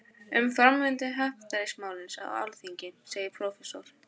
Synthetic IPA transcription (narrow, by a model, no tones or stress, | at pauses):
ʏmfɾamvɪnt̪ɪɦaft̪aɾɪsmaːwlɪnsa̰wa̰lθiɲcɪseːjɪɾpʰɾowfɛsɔɾ̥